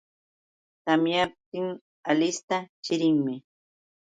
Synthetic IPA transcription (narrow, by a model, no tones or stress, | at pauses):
t̪amjap̚t̪ɪŋ | alɪst̪at͡ʃɪɾɪŋmɪ